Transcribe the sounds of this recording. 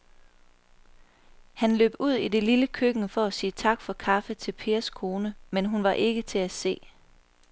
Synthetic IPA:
hænlø̰ːb̥uð̰ˠide̝liləkʰøɡ̥n̩əfɒ̽æsiːt͡sʰɑ̈ɡ̥fɒ̽kʰɑ̈fət͡sʰe̝lpʰe̝ːɐskʰo̝ːnəmenɦunʋɑ̈ʔe̝ɡ̥ət͡sʰe̝æse̝̰ː

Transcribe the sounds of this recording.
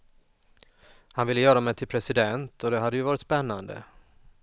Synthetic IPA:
hanvɪlːəjœːɾamɛjt̪ʰɪlpʰɾɛsɪd̪ɛnt̪ʰɔd̪ɛɦad̪ːəjɵvɑːɾɪt̪spɛnːand̪ə̰

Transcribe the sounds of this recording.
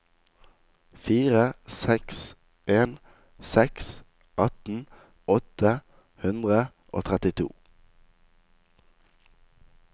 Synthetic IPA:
fiːʁəsɛks | ʔeːn | sɛks | ʔɑt̪n̩ | ɔt̪ə | hʉnd̪ʁə | ʔo̰ːt̪ʰʁɛt̪ɪt̪ʰṵː

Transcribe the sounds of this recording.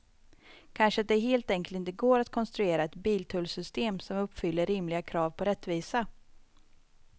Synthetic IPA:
kʰanʂəat̪̚d̪ɛɦeːlt̪ɛŋkəlt̪ɪnt̪əɡoːɾat̪kʰɔnst̪ɾɵeːɾaɛt̪biːlt̪ʰɵlsʏst̪eːmsɔmɵpːfʏlːəɾɪmlɪɡakʰɾɑːvpʰɔɾɛt̪ːviːsa

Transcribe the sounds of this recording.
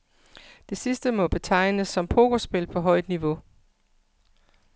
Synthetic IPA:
d̥e̝sisd̥əmɒ̽b̥e̝t͡sʰɑ̈ɪ̰nəsːɒ̽mpʰo̝ɡ̥osb̥e̝lpʰɒ̽ɦɒ̽ɪ̰d̥niʋo̝

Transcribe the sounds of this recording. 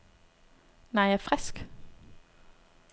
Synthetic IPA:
næɪjææfʁɛsk

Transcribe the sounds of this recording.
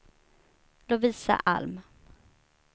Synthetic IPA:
lɔviːsa̰ʔa̰lm

